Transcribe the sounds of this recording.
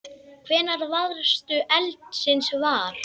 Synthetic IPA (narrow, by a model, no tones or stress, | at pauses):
kʰvɛːnaɾvaðɾst̪ʏʔɛlt̪sɪnsvaɾ̥